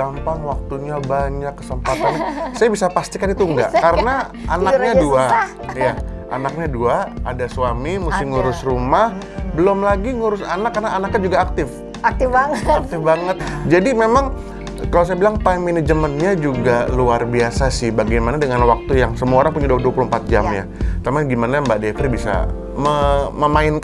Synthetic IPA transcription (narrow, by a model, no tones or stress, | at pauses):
ampaŋwak̚t̪uɲabaɲakːə̥səmp̪at̪anasajabisapast̪ikanit̪uŋɡa̰ʔkaɾəna | anakɲadua | ja | a̰nak̚ɲaduaadasuwamimusɪŋuɾʊsrumah | bəlomlaɡiŋuɾʊsanakːarənaːnak̚ɲad͡ʒuɡaːk̚t̪ɪf | at̪ɪfbaŋak̚t̪ɪfbaŋət̪̚d͡ʒadimemaŋ | kalaws̬ajabilaŋpaɪŋminəd͡ʒəmənɲad͡ʒuɡaluarbiasasɪhbaɡajmanadəŋanwak̚t̪ujaŋsəmuaoɾaŋpuɲaduduapulumpat̪̚d͡ʒa̰mja̰ | t̪amaɡimanajaŋbaʔdefɾibisa̰ | məməmaɪnk